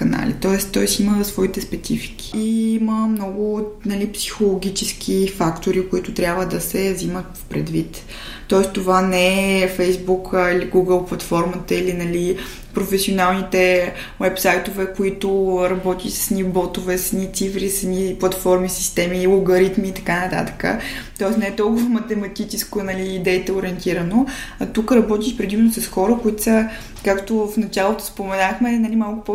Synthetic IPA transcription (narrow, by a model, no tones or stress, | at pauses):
kɐna̰lḭt̪ɔɛstt̪ɔɛsiməsvɔit̪ɛspɛt̪sifi̥kʲi̥iiməmnɔɡʊnɐlipsi̥xolˠoɡʲit͡ʃɛsk̟ʰifakt̪oɾikʊit̪ʊt̪ɾʲabvəd̪ɐsɛzimət̪ | pɾɛd̪vit̪ | t̪ːɔɛst̪ovanɛɛfɛjzbukʰiliɡuɡəlˠplˠɐt̪fɔɾmət̪əilinɐli | pɾofɛsionalˠnit̪ɛ | wɛpsajt̪ovɛkʊit̪ʊɾɐbɔt̪iʃsə̥snibɔt̪ovɛsənʲit̪sifɾisɐniplˠɐt̪fɔɾmisist̪ɛmiːlˠʊɡɐɾit̪miːt̪ɐ̥kanɐt̪a̰t̪ə̥kə̰t̪ɔɛsnɛɛt̪ɔlˠkʊvəmɐt̪ɛmɐt̪it͡ʃɛskonɐliːd̪ɛit̪ɛʊɾʲiɛnt̪iɾənot̪ukəɾɐbɔt̪iʃpɾɛd̪imɛnosɐsxɔɾəkoit̪sə | kakt̪ofnɐt͡ʃalˠot̪o̥spomɛnaxmɛnɐlimalˠkʊ̥po